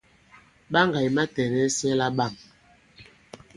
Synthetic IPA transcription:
ɓa˦ŋɡa˨jma˦tɛ˨nɛ˦sɛ˦la˦ɓa˦˨m

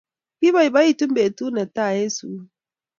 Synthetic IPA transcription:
bi˦ba˦˨i˨ba˦ji˦˨tu˦m̩˦be˨tu˦na˨ta˦˨je˦su˨˦

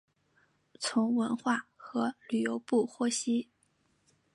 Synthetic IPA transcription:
t͡sʰʊ˧˥ŋwə˧˥nxwa˥˩xɤ˧˥ly˨˩jo˧˥ʊpu˥˩xwɔ˥ɕi˥

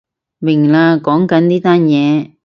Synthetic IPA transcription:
mɪ˨˩ŋlaː˧kɔː˨˥ŋkɐ˨˥nniː˥t̪aː˥njɛː˨˧

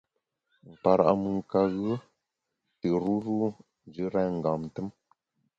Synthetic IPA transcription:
m̩˨pa˨ɾa̰˨ʔmɨ˨ŋ˨ka˨ɣɨ˦ | tə˨ɾu˦ɾu˦ | n˦d͡ʒɨ˦ɾa˦˨ŋ̩˨ɡa˨mn˨tə˦m

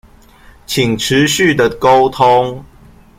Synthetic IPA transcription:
t͡ɕʰi˨˩ŋʈ͡ʂ̩ʰ˨˦ɕy˥˨d̪ə˨ko˦ʊt̪ʰo˦ŋ

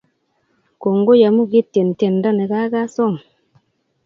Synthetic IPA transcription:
ko˨ŋɡo˦ja˨mu˦ɡi˦tːe˨n˨te˨nda˦ne˨ɡa˦ɡa˦so˦˨ŋ

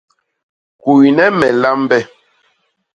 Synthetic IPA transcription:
ku˨i˨nɛ˦mɛ˨la˦m˦bɛ˦

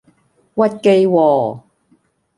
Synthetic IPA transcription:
wɐ˥t̚ke˧jwɔː˨

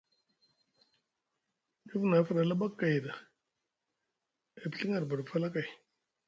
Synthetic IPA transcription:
i˦fna˨˦fa˨ɾa˨la˦ba˦kːa˨jda˨ | e˨bɬi˦ŋa˨ɾba˨ɽfʰa˦la˦ka˨j

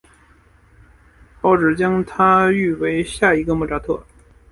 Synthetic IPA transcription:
pɑ˥˩ʊʈ͡ʂɻ̩˨˩t͡ɕjɑ˥ŋt̪ʰa˥y˥˩we˧˥ɪɕja˥˩i˧˥ɡə˧mɔ˥˩ʈ͡ʂa˥t̪ʰɤ˥˩

